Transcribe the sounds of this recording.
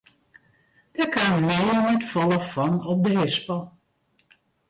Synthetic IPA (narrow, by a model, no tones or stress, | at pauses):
d̥əkanmɪːnɛtfɔləfɔnɔp̚dəɦɪspəlˠ